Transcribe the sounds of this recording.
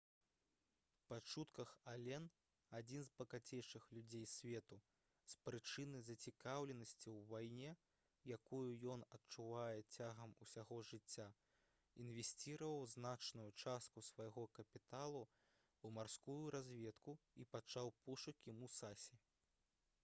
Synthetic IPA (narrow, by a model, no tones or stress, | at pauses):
pat͡ʂut̪kɐxalʲɛn | ad͡zʲinzpɐkat͡sʲejʂɨxlʲud͡zʲejsʲvʲɛt̪u | spɾɨt͡ʂɨnɨzɐt͡sʲikawlʲɛnɐsʲt͡sʲiwvajnʲɛ | jakujujɔnɐtt͡ʂuvajɛt͡sʲaɣɐmusʲaɣɔʐɨt͡sʲːa | invʲesʲt͡sʲiɾɐvɐwznat͡ʂnujut͡ʂast̪̚kusvajɣɔkɐpʲit̪alˠu | wmarskujuɾazʲvʲɛt̪kuipat͡ʂawpuʂɐkʲimusasʲɛ